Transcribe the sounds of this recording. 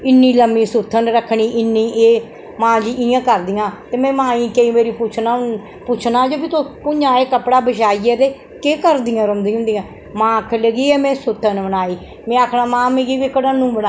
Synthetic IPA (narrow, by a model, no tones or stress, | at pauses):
ɪnːĩːləmːiːsʊt̪ʰːənɾəkʰːɳiːʔɪnːiːʔeː | mãːd͡ʒiijãːkəɾd̪ijãːt̪eːmɛ̃ːmãːĩːkəĩːmeːɾiːpʊt͡ʃʰna | pʊt͡ʃʰnaːd͡ʒoːbit̪opʊɲãːeːkəpɽaːbəʃaːieːt̪eː | keːkəɾd̪ijãːɾəmd̪iːɦʊ̃nd̪ijãː | mãːkʰləɡiːɛːmɛ̃ːsʊt̪ʰːənbənaːiː | mɛ̃ːaːkʰnaːmãːmeɡiːʋikəɽanːũːbəna